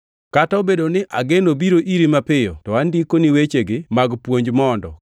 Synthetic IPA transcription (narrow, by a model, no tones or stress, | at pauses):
kataobedonɪʔaɡenobiɾoʔiɾimapɪjɔtɔandikoniwet͡ʃeɡɪmaɡpwoɲd͡ʒmɔndɔ̰